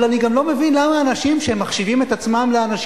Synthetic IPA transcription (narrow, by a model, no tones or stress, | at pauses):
laniɡamlo̞me̞vinlamaːnaʃimʃeemːaχʃivime̞t̪at͡smamleanaʃ